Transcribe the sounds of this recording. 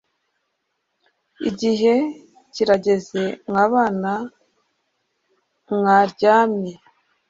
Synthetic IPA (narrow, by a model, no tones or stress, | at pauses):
ḭɟiɦe̞ | ciɾaɟe̞ze̞ŋaːβaːna | ŋaːɾɟaːmɲe